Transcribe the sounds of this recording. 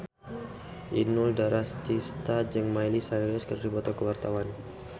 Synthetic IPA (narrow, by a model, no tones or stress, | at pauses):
ʔinuldaɾast̪ist̪ad͡ʒəŋmajlisaɾiaskərɾibɔt̪ɔkəwart̪awan